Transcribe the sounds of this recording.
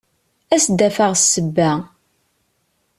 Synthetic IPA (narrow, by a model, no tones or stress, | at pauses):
æsd̪ːæfaʁsːəbːæ